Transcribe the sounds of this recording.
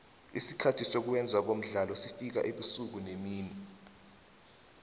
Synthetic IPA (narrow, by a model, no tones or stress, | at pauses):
isikʰatʰisok̬uwɛnd͡zʱwak̬om̩ɮalɔsifik̬a̰ʔeɓisuk̬unemiːni